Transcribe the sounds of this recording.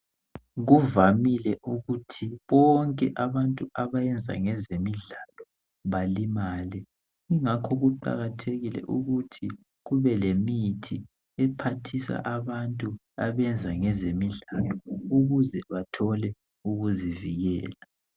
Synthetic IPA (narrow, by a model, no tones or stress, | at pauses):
ɣuvamilɛʔuɣutʰiβɔŋkʼɛʔaβantʼuaβajɛnd͡zʱa̰ŋɛzemiɮalɔ | βalimaːlɛ | iŋakʰɔɣuǃa̰ɣatʰeɣilɛ̰ʔuɣutʰi | ɣuβɛlemitʰi | ɛpʰatʰisa̰ʔaβantʼu | aβɛnd͡zʱaŋɛzemiɮalɔuɣuzɛβatʰɔlɛ | uɣuziviɣɛːla